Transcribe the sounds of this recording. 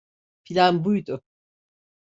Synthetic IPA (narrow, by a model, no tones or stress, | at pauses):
fʰilʲanbujd̪ʊ